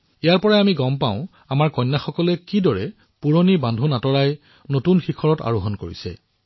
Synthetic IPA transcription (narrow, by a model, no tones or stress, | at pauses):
ijaɹpɔɹajamiɡɔmpaʊ̃ | amaɹkɔjnːaxɔkɔlɛkidɔɹɛ | puɹonibandʱunatɔɹaj | notunxikʰɔɹɔta̰ɹuɦɔnkoɹisɛ̰